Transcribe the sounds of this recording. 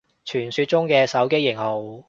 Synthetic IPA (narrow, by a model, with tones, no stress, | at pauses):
t͡ʃʰyː˨˩nsyː˧t̚t͡ʃʊ˥ŋkɛː˧sɐ˨˥wke˥jɪ˨˩ŋho˨w